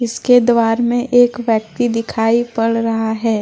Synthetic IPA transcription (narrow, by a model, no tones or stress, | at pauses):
ɪsked̪ʋaːɾmẽʔeːkʋjək̚t̪id̪ɪkʰaːipɐɽɾɐɦaɦɛː